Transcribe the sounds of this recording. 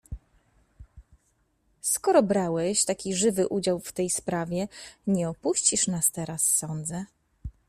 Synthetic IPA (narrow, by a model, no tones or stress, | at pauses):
skɔɾɔbɾawɛɕt̪akʲiʐɘvɘʔud͡ʑawft̪ɛjspɾavʲjɛɲɛɔpuɕt͡ɕiʂnast̪ɛɾasːɔnd̪zɛ